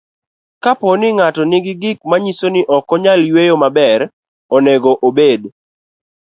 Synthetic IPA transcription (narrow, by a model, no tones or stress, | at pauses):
kaponɪŋatɔnɪɡɪɡɪk̚maɲisonɪʔɔkɔɲaljwejomabɛɾ | ɔneɡoʔobed